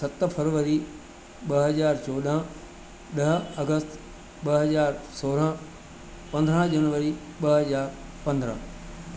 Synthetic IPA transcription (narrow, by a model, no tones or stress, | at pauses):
sɐt̪fʰəɾʋəɾi | ɓɐɦɐzaːɾt͡ɕɔːd̪ə̃ | ɗɐɦ̆ɐɡəst̪ | ɓɐɦɐzaːɾsoːɾə̃ | pɐ̃nd̪ʱɾə̃d͡ʑɐnʋəɾi | ɓɐɦɐzaːɾpɐ̃nd̪ɾə̰̃